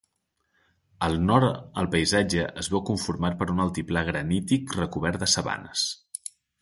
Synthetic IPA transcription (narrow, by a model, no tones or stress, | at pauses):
əlˠnɔɾə̰lˠpəizad͡ʒəʔəzβakuɱfuɾmaɾ̚pəɾunəlˠt̪iplaɣɾənit̪ikrəkuβɛɾd̪əsəβa̰nəs